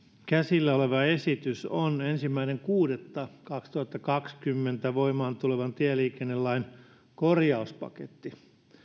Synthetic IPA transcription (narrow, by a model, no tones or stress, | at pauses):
kæsilːæoleʋɑesit̪ysonensimːæineŋkuːdet̪ːɑkɑkst̪uhɑt̪ːɑkɑkskymːent̪æʋoimˑɑːnt̪uleʋɑnt̪iæliːkenːelːɑin | korjɑuspɑ̰kḛt̪ːi